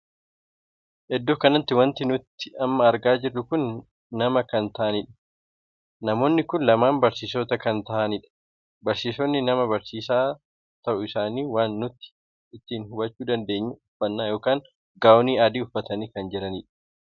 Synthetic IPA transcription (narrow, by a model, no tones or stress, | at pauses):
ʔɛd̪ːoːkɐnɐt̪ːɪwɐnt̪ɪnʊt̪ːɪɐmːɐːɾɡaːd͡ʒɪrːʊkʊnː | ɐmɐkɐnt̪ɐʔɐnɪːᶑɐ̥ | nɐmo̞ːnːɪkʊnlɐmaːmbɐɾsiːsoːt̪ɐkɐnt̪ɐʔɐniᶑɐ̥ | bɐɾsiːsɔnːɪnɐmɐbɐɾsiːsaː | t̪ɐʔʊɪsaːniːwaːnːʊt̪ːɪ̥ | ɪt̪ːiːnhʊbɐt͡ʃːuːd̪ɐnd̪e̞ːɲːʊʊfːɐnːaːjo̞ːkaːŋ | ɡaːwɔniːaːd̪iːʊfːɐt̪ɐniːkɐnd͡ʒɛɾɐniːᶑɐ̥